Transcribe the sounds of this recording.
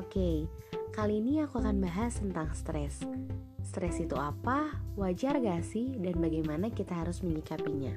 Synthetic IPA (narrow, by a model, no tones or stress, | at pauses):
okekaliːniakuakanbaɦast̪ənt̪aŋst̪ɾɛsː | t̪ɾɛsit̪uapawad͡ʒarɡasɪhdanbaɡajmanakit̪aɦaɾʊsməɲikapiɲa